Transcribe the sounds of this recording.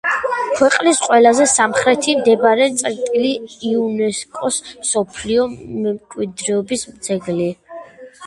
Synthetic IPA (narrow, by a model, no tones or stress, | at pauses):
kʰwɛqʼlisqʼwɛlazɛsamχɾɛt̪ʰimd̪ɛbaɾɛnt̪sʼɾt̪ʼiliːunɛskʼɔsmsɔpʰliɔmɛmkʼwid̪ɾɛɔbismd̪zɛɡli